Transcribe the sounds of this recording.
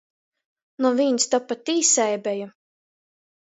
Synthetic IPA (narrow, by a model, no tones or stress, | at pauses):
nɔvʲinst̪ɔpːat̪ʲiːsɛjbʲɛja